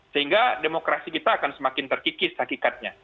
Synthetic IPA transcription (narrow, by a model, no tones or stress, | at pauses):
səɦiŋɡademokɾasikit̪aːkansəmakɪnt̪ərkikɪshakikat̪̚ɲa